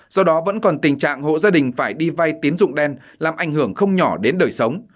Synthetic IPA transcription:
z̥ɔ˧ɗɔ˨˦və̰˧˥nkɔ˨˩nt̪ï˨˩ŋ̟t͡ɕa̰ː˧˨ŋho̰˧˨zaː˧ɗï˨˩ŋ̟faː˧˩jɗi˧va˧jt̪i˨˦ənzʊ̰˧˨ŋ͡mɗɛ˧n | laː˨˩mʔa˧˩jŋ̟hɨ˧˩əŋxə˧wŋ͡mɲɔ˧˩ɗe˨˦nɗəː˨˩jsə˨˦wŋ͡m

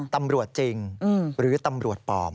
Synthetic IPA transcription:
t̪a˧mɾu˨˩ət̪̚t͡ɕi˧ŋː˧ɾɯː˩˦t̪a˧mɾu˨˩ət̪̚pɔ̰ː˧˩m

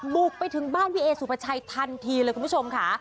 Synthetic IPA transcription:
bu˨˩k̚pa˧jt̪ʰɯ˨˩˦ŋbaː˥˩nwi˦ʔeː˧suː˨˩pʰa˧t͡ɕʰa˧jt̪ʰa˧nt̪ʰiː˧lɤː˧jku˧pːʰo˧mkʰa˦˥˩

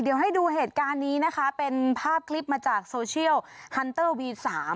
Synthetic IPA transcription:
di˩˦wɦa˥˩jduː˧ɦeː˨˩t̪̚kaː˧nːiː˦˥na˦˥kʰa˦˥pe˧npʰaː˥˩p̚kʰli˦˥p̚maː˧t͡ɕaː˨˩k̚soː˧t͡ɕʰi˥˩əwhʰa˧nt̪ɤː˥˩wwiː˧t̪̚saː˩˦m

